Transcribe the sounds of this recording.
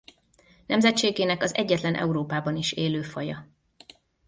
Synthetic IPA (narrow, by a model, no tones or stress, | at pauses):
nɛmzɛt̪t͡ʃeːɡeːnɛkɒzɛɟːɛt̪lɛnʔɛ̰uɾoːpaːbɒniʃeːløːfɒjɒ